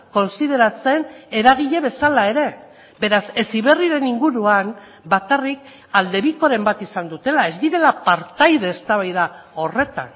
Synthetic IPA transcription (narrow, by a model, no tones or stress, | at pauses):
ko̞nsið̞e̞ɾat͡se̞ne̞ɾaɣ̞iʎe̞βe̞salae̞ɾe̞ | be̞ɾase̞siβe̞riɾe̞niŋɡuɾuan | bakarik̚ | ald̪e̞βiko̞ɾe̞mbat̪isand̪ut̪e̞lae̞zd̪iɾe̞lapaɾt̪ajðe̞ːst̪aβajðao̞re̞t̪a̰n